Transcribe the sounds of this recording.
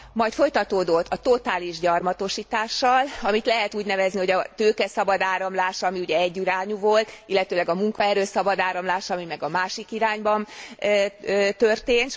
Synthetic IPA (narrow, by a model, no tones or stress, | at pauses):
mɒjt̪fo̞jt̪ɒt̪oːd̪ot̪ːɒt̪o̞t̪aːliʒɟɒrmɒt̪o̞ʃiːt̪aːʃːɒlɒmit̪lɛɦɛt̪uːɟnɛvɛzniho̞ɟɒt̪øːkɛsɒbɒd̪aːɾɒmlaːʃɒmiuɟɛɛɟːiɾaːɲuvo̞lt̪ilːɛt̪øːlɛɡɒmuŋkɒɛɾøːsɒbɒd̪aːɾɒmlaːʃɒmimɛɡɒmaːʃikiɾaːɲbɒn | t̪ø̞rt̪eːnt̪